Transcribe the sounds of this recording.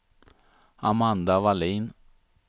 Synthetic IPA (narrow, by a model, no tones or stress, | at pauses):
amand̪aʋaliːn